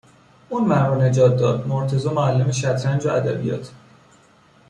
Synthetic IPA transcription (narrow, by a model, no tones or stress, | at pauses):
uːnmæɾɾɔːne̞d͡ʒɒːt̪̚d̪ɒːd̪̥moɾt̪ʰe̞zɒːmoælːemeʃæt̪ʰɾænd͡ʒoʔæd̪æbḭjɒ̰ːt̪ʰ